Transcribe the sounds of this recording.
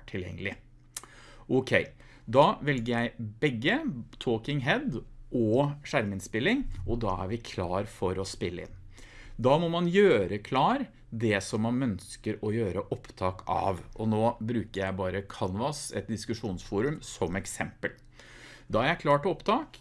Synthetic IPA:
ʈʰɪljɛ̰ŋːəlɪ | ʔɔkʰɛɪ | d̪ɑːʋɛlɡəɾjæɪbɛɡːət̪ʰoːkɪŋɦɛd̪ʔɔʂæɾmɪnspɪlːɪŋʔɔd̪ɑ̰ːæ̰ɾʋɪkʰlɑːɾfɔɾɔspɪlːəɪ̰nː | d̪ɑːmɔmɑnjøːɾəkʰlɑːɾ | d̪ɛsɔmːɑnœnskəɾɔjøːɾəʔɔpt̪ʰɑːkʰɑ̰ʋʔɔnoːbɾʉːkəɾjæɪbɑːɾəkʰɑnʋɑsɛ̰t̪̚d̪ɪskʉʂuːnsfuːɾʉmsɔmɛksɛmpəl | d̪ɑːæɾjæɪkʰlɑːʈɔpt̪ʰɑːk

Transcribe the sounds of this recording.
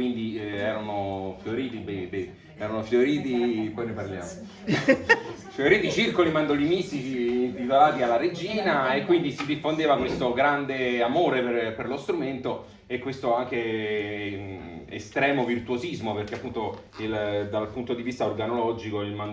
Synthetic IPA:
wind̪iɛːɾanofjoɾiːt̪ibebe | ɛːɾanofjoɾiːt̪ipɔjneparlja̰ːmo | fjoɾiːt̪it͡ʃirkolimand̪olinist̪it͡ʃiːnt̪it̪olaːt̪ialːaɾed͡ʒiːnaekːwind̪isid̪ifːond̪eːvakwest̪oɡɾand̪eamoːɾeperperlost̪ɾument̪o | ekːwest̪oaŋk̟e | ḛst̪ɾɛːmovirt̪uozizmoperk̟eapːunt̪o | ild̪alpunt̪od̪ivist̪aorɡanolɔd͡ʒikoilman

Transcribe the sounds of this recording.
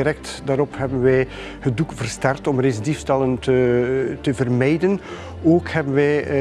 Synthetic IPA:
rɛk̚tdaːɾɔphɛbənʋɛj | hədukv̥ərstɛrtɔmresdifstɛləntətəvərmɛjdən | oːkhɛbənʋɛj

